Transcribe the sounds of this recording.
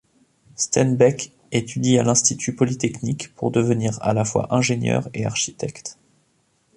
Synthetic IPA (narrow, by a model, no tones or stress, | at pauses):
st̪ɛnbɛk | et̪ʰyd̪ialɛ̃st̪it̪ʰypɔlit̪ɛknikpuʁd̪əvəniʁa̰lafwa̰ʔɛ̃ʒenjœ̰ʁeaʁʃit̪ɛkt̪